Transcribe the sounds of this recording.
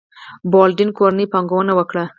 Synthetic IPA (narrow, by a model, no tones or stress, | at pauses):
bɑlɖɪnkoɾanipɑŋɡawənawəkɽa